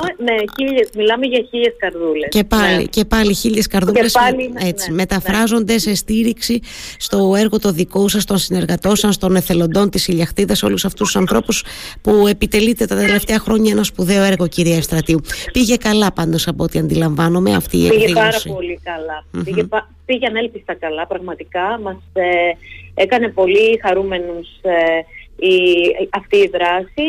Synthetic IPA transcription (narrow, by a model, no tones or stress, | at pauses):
neiʎesmilɐmeʝɐçiʎeskɐɾðulesce̞pɐlḭce̞pɐliçiʎe̞skɐɾðule̞sliet͡sime̞t̪ɐfɾɐzo̞nd̪e̞se̞st̪iɾiksist̪o̞e̞ɾɣo̞t̪o̞ðikosɐst̪o̞nsine̞ɾɣɐt̪o̞sɐnst̪o̞ne̞θe̞lo̞nd̪o̞nt̪isiʎɐxt̪iðɐso̞̰lusɐft̪ust̪u̥sɐnθɾo̞puspue̞pit̪e̞lit̪e̞t̪ɐt̪e̞le̞ft̪eɐxɾo̞ɲɐe̞nɐspuðe̞o̞e̞ɾɣo̞ciɾiɐefst̪ɾɐt̪iupiʝe̞kɐlɐpɐnd̪o̞sɐpoot̪iɐnd̪ilɐɱvɐnome̞ɐ̰ft̪ḭːḛiʝeɐɾɐsio̞likɐlɐpiʝepɐ | piʝeɐnelpist̪ɐkɐlɐpɾɐɣmɐt̪ikɐmɐs | ekɐne̞po̞lixɐɾume̞nus | iɐft̪iːðɾɐsi